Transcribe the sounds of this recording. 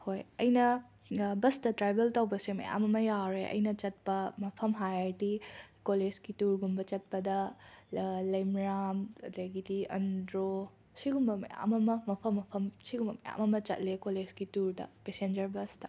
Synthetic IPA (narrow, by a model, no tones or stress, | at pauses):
hojɐjnɐ | bɐstɐtɾajbeltɐwbɐsemɐ̰ja̰mɐmɐjaɾeʔɐ̰jnɐt͡ʃɐt̚pɐmɐpʰɐmɦajaɾtikoled͡ʒkituɾɡumbɐt͡ʃɐt̚pɐdɐ | lɐjmɾamɐdɐɡidiɐndɾo | siɡumbɐmɐ̰ja̰mɐmɐmɐpʰɐmːɐpʰɐmsiɡumbɐmɐja̰mɐmɐt͡ʃɐ̰t̚lekoled͡ʒɡituɾdɐ̰pesend͡ʒɐɾbɐstɐ̥